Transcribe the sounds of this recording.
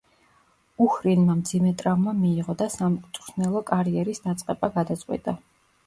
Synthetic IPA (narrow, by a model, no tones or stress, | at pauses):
uxɾinmamd̪zimɛt̪ʼɾavmamiːʁɔd̪asamʼt̪sʼsnɛlˠɔkʼaɾiɛɾisd̪at̪sʼqʼɛbaɡad̪at̪sʼqʼwḭt̪ʼa